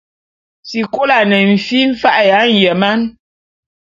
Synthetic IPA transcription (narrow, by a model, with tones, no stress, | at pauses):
si˨ko˦la˨nɛ˨m̩˨fi˦ɱ̩˦fa˦ʔja˨˦n̩˨jɛ˨ma˦n